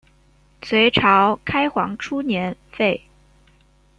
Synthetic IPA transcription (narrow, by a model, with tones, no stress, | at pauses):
t͡sʰwe˧˥ɪʈ͡ʂʰɑ˧˥ʊkʰa˥ɪxwɑ̰˧˥ŋʈ͡ʂʰu˥njɛ˧˥nfe˥˩ɪ